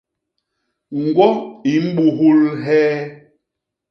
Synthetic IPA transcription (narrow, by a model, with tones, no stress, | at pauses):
ŋ̩˨ɡwɔ˦i˨˦m̩˦ɓu˨ɦu˦lɦɛː˦